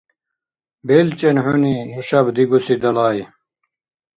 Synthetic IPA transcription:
belt͡ɕenhuninuɕɐbd̪iɡusid̪ɐlaːj

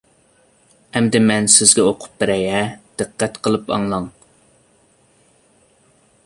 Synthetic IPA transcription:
ɛmd̪ɪmɛnsɪzɡʲɛoqʰʊ̥p̚bɪɾɛjɛd̪̥ɨqʰːɛt̪qʰəlˠɨpɑ̰ŋlˠɑŋ

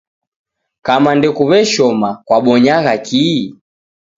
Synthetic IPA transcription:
kamandɛkuβɛʃɔmakwaɓɔɲaɣaki

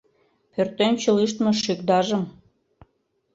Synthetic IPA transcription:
pørt̪emt͡ɕɤliʃt̪meʃykd̪ɑʒə̆m

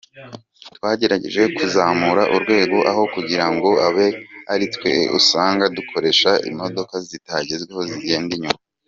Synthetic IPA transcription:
twaːɟe̞ɾaɟeʒwekuzaːmuɾaʔuɾɡwe̞ːɡo̞ʔaɦo̞kuɟiɾaŋɡo̞aβe̞aɾitwe̞̰ṵsaːŋɡadukʰo̞ɾe̞ʃaḭmo̞do̞kazitaɟezɡweho̞ziɟe̞ːndiɲuma

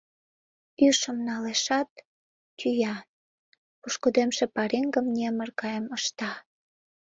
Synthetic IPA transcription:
yʃəmnɑleʃɑt̪ː | yjɑ | puʃkod̪emʃepɑɾiŋɡəmnʲemərɣɑjəməʃt̪ɑ

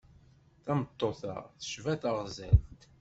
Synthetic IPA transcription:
θæmət̪ˤːoθɑ̰ʁθə̥ʃvæθəʁzæ̰lt̪

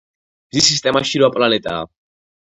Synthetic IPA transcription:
bzisist̪ʼɛmaʃiɾɔapʼlanɛt̪ʼa̰ː

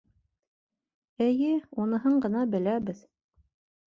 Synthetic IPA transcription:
ɘ̆jɘunɤ̆ɦɤɴɢɤ̆nɑbɘ̆læβɘð

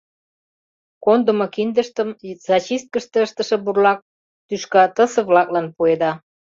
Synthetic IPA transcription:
kond̪ə̆mokind̪əʃt̪əmz̥ɑt͡ɕist̪̚kəʃt̪ĕəʃt̪ə̆ʃĕburlɑk̚ | t̪yʃkɑt̪əsə̆βlɑklɑnpued̪ɑ

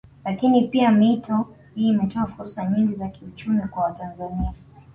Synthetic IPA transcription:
lakinipiamitɔ | hiːmɛtɔafuɾsaɲiŋɡizakiut͡ʃumikwawatanzania

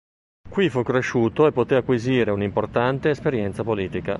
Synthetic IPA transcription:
kwifukːɾeʃːuːt̪oepːot̪eakːwiziːɾeunimport̪ant̪eːspeɾjɛnt̪sapoliːt̪ika

